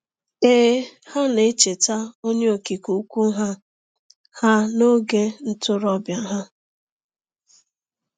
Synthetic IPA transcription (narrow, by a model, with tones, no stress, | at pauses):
eː˦ha˦ne˨t͡ʃe˨ta˦o˦ɲe˦o˨ki˨ku˨u˦kʷu˦ɦa˦ | ha˦no˦ɡe˦n̩˦tʊ˦ɾɔ˦bja˨ɦa˦